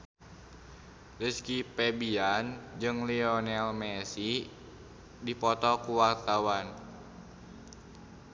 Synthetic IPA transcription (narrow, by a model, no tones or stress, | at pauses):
liskipɛbiand͡ʒɨŋliɔnɛlmɛsi | dipɔt̪ɔkuwart̪awan